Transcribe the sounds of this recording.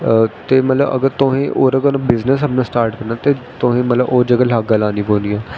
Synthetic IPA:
t̪eːmət̪ləbə̰ɡəɾt̪ʊɦẽːʔoːɾəɡənãːbɪznəsəbnãːsʈaːɾʈkəɾnaːt̪eːt̪ʊɦẽːmət̪ləboːd͡ʒəɡəlaːɡalãːnĩːboːnd̪ijãː

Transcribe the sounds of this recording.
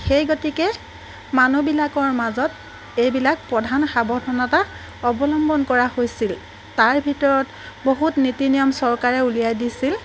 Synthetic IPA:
xejɡotikɛ | manubilakɔɹmazɔt | ejbilak̚pɹɔdʱanxabɔdʱɔnata | ɔbɔlɔmbɔnkɔɹahojsil | taɹbʱitɔɹɔt | boɦutnitinijɔmsɔɹkaɹɛulijajdisil

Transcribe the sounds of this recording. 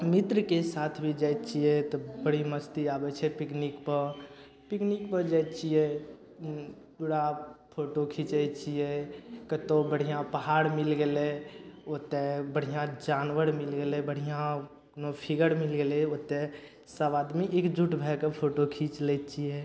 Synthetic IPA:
mit̪ɾəkesaːt̪ʰbʱid͡ʒəjt̪t͡ʃiɛt̪ɔbəɽ̤iməst̪iaːbɛt͡ʃʰɛpɪknikpəɾ | piknikpəd͡ʒət̪t͡ʃʰijɛ | puːɽapʰoʈokʰit͡ʃɛt͡ʃiɛkət̪õbəɽ̤ijãpəɦaːɽmɪlɡeleot̪ebəɽ̤ijãd͡ʒaːnʋəɾmɪlɡelebəɽ̤ijã | nopʰiɡəɾmɪlɡeleot̪e | səbaːd̪miʔekd͡ʒʱuʈbʱɛkəpʰoːʈokʰiːt͡ʃlɛt͡ʃijɛ

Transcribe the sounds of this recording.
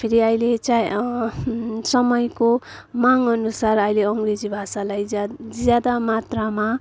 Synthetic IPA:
pʰiɾiʌjlet͡saj | sʌmʌjkomaŋʌnusarʌjleʌŋɡred͡zibʱasalajd͡zjad̪amat̪rama

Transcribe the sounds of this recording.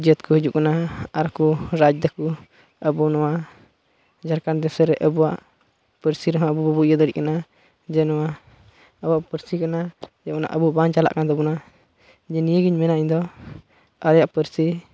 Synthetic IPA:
d͡ʒiət̪kuhud͡ʒuʔkanaaɾkuɾad͡ʒd̪ɛku | əbunɔwa | d͡ʒaɾkand̪ɛsɛɾɛʔəbuwaʔ | pəɾsiɾɔɦɔ̃əbubəbuʔjəd̪əɽiʔkana | d͡ʒɛnɔwa | əbuaʔpəɾsikanad͡ʒɛʔkɔna̰ʔəbubant͡ʃala̰ʔkanad̪ɛbuna | d͡ʒɛnijəɡiɲmɛnaʔiɲd̪ɔ | aɾjaʔpəɾsi

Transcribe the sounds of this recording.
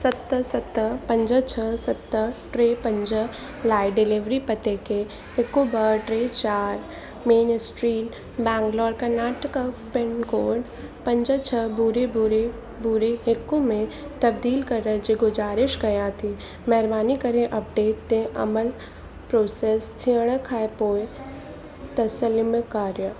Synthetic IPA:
sət̪əsət̪əpə̃ɲd͡ʒət͡ʃʰəsət̪ːəʈɾeːpə̃nd͡ʒə | laːɪɖɪlɪʋɾipət̪eke | ɦɪkːubəʈɾeːt͡ʃaːɾ | meːnsʈɾiːn | bɛ̃ːŋklɔːɽkɐɾnaːʈəkəpɪnkoːɖ | pɐ̃ɲd͡ʒət͡ʃʰəbuɾebɾe | buɾeɦɪkõmẽt̪ɐb̚d̪iːlkɐɾːəd͡ʒeɡʊd͡ʒaːɾɪʃɡɐjãt̪ʰi | mɛɦɾbaːnikɐɾẽʔɐp̚ɖeːʈ̚d̪ẽʔɐ̰məl | pɾoːseːst̪ʰiəɽ̃əkʰaːepoːj | t̪ɐsəlimekaːɾjə

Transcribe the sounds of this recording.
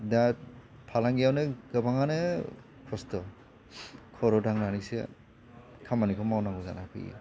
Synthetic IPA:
da | pʰalaŋɡijawnɯɡɯbaŋanɯ | kʰɔstɔ | kʰɔɾɔdaŋnanisḛ | kʰamanikʰɔmawnaŋɡɔza̰nakʰɯ̰j̰

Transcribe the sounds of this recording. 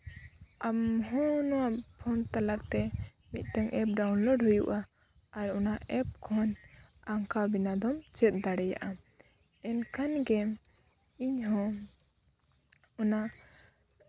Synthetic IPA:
amɦɔnɔwaʔpʰɔnt̪alaʔt̪ɛ | mit̪̚ˀʈ̪ɛŋʔɛp̚ɖawnlɔɖɦujṵʔaː | ɾɔnaɛp̚kʰɔnaŋkabinad̪ɔmt͡ʃɛt̪̚ˀd̪aɽɛja̰ʔa | ɛnkʰanɡɛ | iɲɦɔ̃ | ɔna

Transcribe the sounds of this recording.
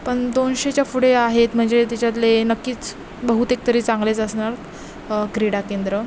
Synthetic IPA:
pəɳd̪onɕet͡ɕjafuɽeaɦet̪m̤əɳd͡zet̪at͡ɕat̪̬lenəkːiːt͡s | bəɦut̪ek̚t̪əɾiːt͡sãŋɡlet͡səsɳaɾ | kɾiɽakend̪ɾə

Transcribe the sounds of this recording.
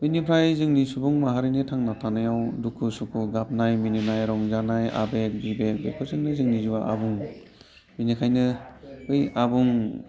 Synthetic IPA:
ɯjnipʰɾajzɯŋnisubuŋmaɦaɾinɯtʰaŋnatʰanajawdukʰːusukʰuɡap̚najmininajɾɔŋzanaja̰bek̚bibek̚bekʰɯɾzɯŋnɯzɯŋnizuwaʔa̰buŋ | minikʰajnɯɯjabuŋ

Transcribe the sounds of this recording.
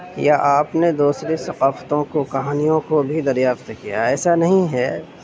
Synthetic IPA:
jaʔaːpned̪uːsɾesɐqaːft̪õkokɐɦaːnijõkobʱid̪ɐɾjaːft̪kija̰ɛːsanɐɦĩɦɛː

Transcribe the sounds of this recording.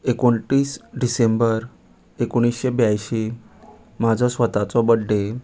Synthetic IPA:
ekoɳʈiːsɖisembəɾ | ekoɽ̃isɕebjajɕe | mad͡zʱɔsʋət̪at͡sɔbəɖːe

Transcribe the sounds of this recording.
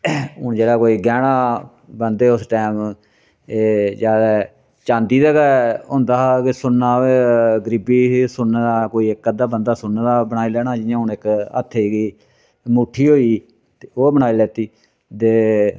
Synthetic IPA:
ɦʊɳd͡ʒeːɽaːkoːiːɡɛːɽ̃aː | bənd̪eːʊsʈɛːm | eːd͡ʒaːɾɛ | t͡ʃãːnd̪iːd̪ɛːɡaɦʊ̃ːnd̪aːkɪsʊnːaːeɡəɾiːbiːsʊnaːd̪aːkoːiːɪkːəd̪aːbənd̪aːsʊnːaːd̪aːbənaːiːlɛːɽ̃aːd͡ʒɪãːɦʊnɪkə̰t̪ʰːeːɡiː | mʊʈʰːiːɦoːiː | t̪eoːbənaːiːlɛːt̪iː | t̪eː

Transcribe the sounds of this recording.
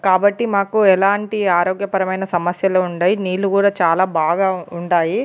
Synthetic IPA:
kaːbɐʈːimaːkuɛlaːɳʈiaːɾoːɡjɐpɐɾɐmɐjnɐsɐmɐsjɐloːuɳɖaːjiniːlːukuːɽaːt͡ʃaːlaːbaːɡaːuɳɖaːji

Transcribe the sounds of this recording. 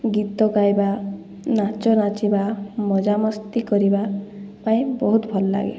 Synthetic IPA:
ɡit̪ɔkajba | nat͡ʃɔnat͡ʃibamɔd͡ʒamɔst̪ikɔɾibapaĩbɔɦut̪bʱɔlɔla̰ɡḛ

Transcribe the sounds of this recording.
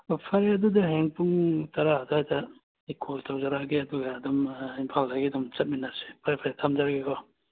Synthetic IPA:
pʰaɾjɐdudaɦeŋpuŋtɐɾaduhajta | ikʰoltʰawzaɾaɡeɐduɡaːdɔmimpʰalhaɡidɔmt͡ʃɐt̚minase̥pʰaɾepʰaɾjatʰamd͡ʒaɾaɡeɡʰɔ

